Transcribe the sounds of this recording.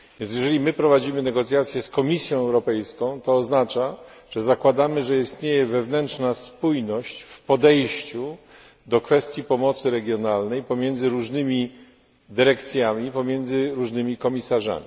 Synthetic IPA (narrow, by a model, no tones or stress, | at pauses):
vʲjɛ̃nsjɛʐɛlʲimɘpɾɔvad͡ʑimɘnɛɡɔt̪sʲjat̪sʲjɛskɔmʲisʲjɔ̃w̃ɛwɾɔpɛjskɔ̃w̃t̪ɔːznat͡ʂa | ʐ̥ɛzakwad̪amɘʐɛist̪ɲejɛvɛvnɛntʂnaspujnɔɕt͡ɕfpɔd̪ɛjɕt͡ɕu | d̪ɔkfɛst̪ʲjipɔmɔt̪sɘɾɛɡʲjɔnalnɛjpɔmʲjɛnd̪zɘɾuʐnɘmʲi | d̪ɘɾɛkt̪sʲjamʲipɔmʲjɛnd̪zɘɾuʐnɘmʲikɔmʲisaʐa̰mʲi